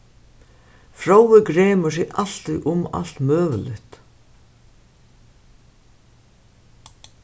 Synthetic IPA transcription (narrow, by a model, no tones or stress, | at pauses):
fɾowɪɡɾeːmʏsɪɣʔal̥t̪iʔʊma̰l̥t̪mœːʋəlɪht̪